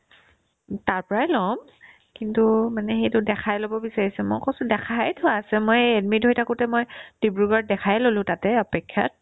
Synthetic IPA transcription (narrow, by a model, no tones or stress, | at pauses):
taɹpɔɹajlɔm | kintumanɛxejtʊdɛkʰajlobɔbisaɹisɛmɔjkɔsʊ̃dɛkʰajtʰʊaːsɛmojɛdmidɦojtakʊtɛmojd̥ibɹuɡɔɹ̚dɛkʰajlolʊ̃tatɛɔpɛkʰːja̰t̚